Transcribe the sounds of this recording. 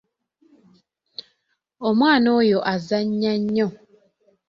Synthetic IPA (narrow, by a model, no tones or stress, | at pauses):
omwaːnojoʔazaɲɲaɲːɔ̃